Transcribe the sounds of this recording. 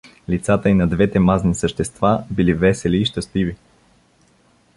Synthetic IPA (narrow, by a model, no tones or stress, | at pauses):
lit̪sat̪əinɐd̪vɛt̪ɛmaznisəʃt̪ɛst̪vabilivɛsɛliːʃt̪əst̪ivi